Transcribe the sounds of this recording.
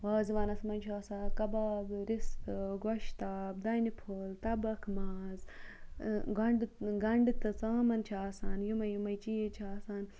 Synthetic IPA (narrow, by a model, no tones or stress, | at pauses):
ʋaːziʋaːnɐsmɐnt͡ʃʰaːsaːkɐbaːbɾistɡɐʃt̪aːbd̪ɐjnipʰoːlt̪ɐbɐkʰmaːz | ɡɐɳɖɡɐɳɖt̪ɨt͡saːmɐnt͡ʃʰaːsaːnjumɐjumɐjt͡ʃiːjet͡ʃʰaːsaːn